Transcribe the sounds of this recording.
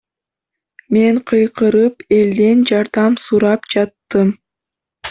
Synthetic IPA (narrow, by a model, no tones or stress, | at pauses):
me̞ɴqʰɯjqʰɯɾɯpe̞ld̪e̞nd͡ʒɑɾd̪ɑmsuɾɑpd͡ʒɑt̪ːɯm